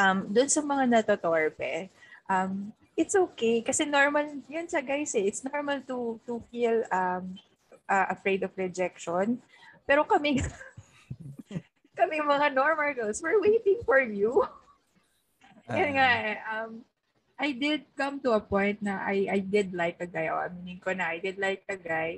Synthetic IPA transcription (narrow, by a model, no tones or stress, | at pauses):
ʔɐmd̪ʊʊnsɐmɐŋanɐt̪ot̪oɹpɛʔɐm | ʔɪt̪sʔoːkejkɐsɛnoɹmɐljʊnsɐɡajsɛʔɪt̪snoɹmɐlt̪ut̪ufilɐm | ʔɐʔɐfɹejd̪ɔvɹɛd͡ʒɛk̚ʃɔn | pɛːɾo̞kɐmɪ | kɐmɪŋmɐŋanoɹmɐlɡolswɪɹwejt̪ɪŋfɔɹju | jʊnŋaʔʔɐm | ʔajd̪ɪd̪̚kɐmt̪ʊɐpɔ̃jnt̪̚nɐʔajʔajd̪ɪd̪̚lajk̚ːɐɡajʔo̰ʔɐ̰miːnɪŋkonɐʔajd̪ɪd̪̚lajk̚ɐɡaj